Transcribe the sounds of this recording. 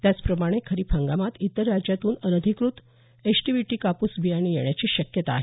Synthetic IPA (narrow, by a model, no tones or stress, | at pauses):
t̪jat͡spɾəmaɽ̃ekʰəɾiːpʰə̃ŋɡamat̪it̪əɾːad͡ʑjat̪uːnənəd̪ʱikɾut̪ | esʈiʋiʈiːkapusbʱijaɽ̃iːjeɳ̃jat͡ɕiːɕəkjət̪aːɦe